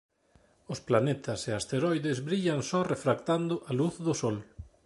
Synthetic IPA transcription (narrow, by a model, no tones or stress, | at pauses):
ʊsplanet̪ʰɐseast̪eɾɔjðezβɾiʎɐŋsɔrefɾakt̪and̪ʊʔaluθðʊsɔl